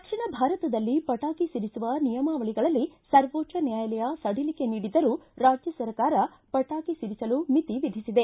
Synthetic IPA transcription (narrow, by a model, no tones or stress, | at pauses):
d̪ɐkʂiɳɐbʱaːɾɐt̪ɐd̪ɐlːipɐʈaːkisiɾisuʋɐnijɐmaːʋɐɭiɡɐɭɐlːisɐɾʋoːt͡ʃɐnjaːjɐlɛjɐsɐɽilike̞niːɽid̪ɐɾuːɾaːd͡ʒjɐsɐɾkaːɾɐ | pɐʈaːkisiɾisɐlumit̪iʋid̪ʱisid̪e̞